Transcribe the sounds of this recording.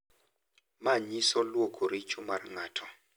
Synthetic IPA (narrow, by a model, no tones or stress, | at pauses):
maɲisɔlwɔkʰuɾit͡ʃʰʼumarŋaːtʰɔ